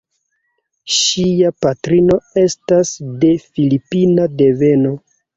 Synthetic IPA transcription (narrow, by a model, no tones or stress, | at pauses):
ʃiapatɾino̞e̞stasde̞filipinade̞ve̞no̞